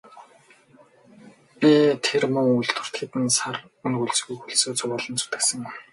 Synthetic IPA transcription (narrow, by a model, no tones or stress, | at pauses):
pʲit̪ʰermɵŋuɮt̪ʊ̥̆r̥t̪ɡet̪ɘ̆nsar | ɵnɣuɮt͡sɣujxuɮsoːt͡sʊʁaːɮə̆nt͡sʰu̥t̪ɘ̥̆ksə̆ŋ